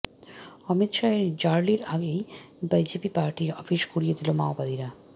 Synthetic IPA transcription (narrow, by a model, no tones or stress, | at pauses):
ɔmit̪ʃaeɾd͡ʑaɾliɾaɡej | bad͡ʑepipaɾʈiɾɔfiʃkuɾijed̪ilomaobad̪iɾa